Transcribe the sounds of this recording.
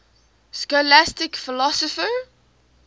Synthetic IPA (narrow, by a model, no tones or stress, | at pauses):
skɔlastɪkfɪlɔsɔfə